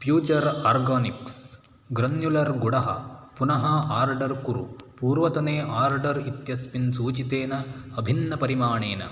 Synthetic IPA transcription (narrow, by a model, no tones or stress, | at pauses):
fjuːt͡ʃɐɾaːɾɡaːniks | ɡɾɐnjulɐɾɡuɽɐɦɐ̰punɐɦɐaːɾɖɐɾkuɾṵpuːɾʋɐt̪ɐneːʔaːɾɖɐɾit̪jɐspinsuːt͡ʃit̪eːnɐɐbʱinːɐpɐɾimaːɳeːnɐ̰